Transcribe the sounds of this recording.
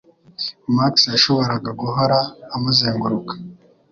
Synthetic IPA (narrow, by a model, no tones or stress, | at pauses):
maksjaʃo̞βo̞ɾaɡaɡuɦoɾaːmuzeːŋɡuɾukḁ